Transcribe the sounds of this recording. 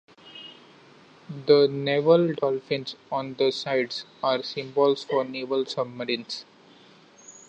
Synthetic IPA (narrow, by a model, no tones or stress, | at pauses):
d̪əneʋəlɖɔːlfɪ̃nsɔ̃ːnd̪əsaɪɖsaːɾsɪ̃mbɔlsfɔːɾneːʋəlsʌbməɾɪ̃ns